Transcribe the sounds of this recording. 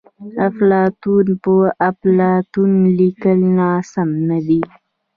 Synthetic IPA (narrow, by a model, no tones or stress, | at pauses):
aflɑt̪unpəaflɑt̪unlikəlnɑsamnad̪i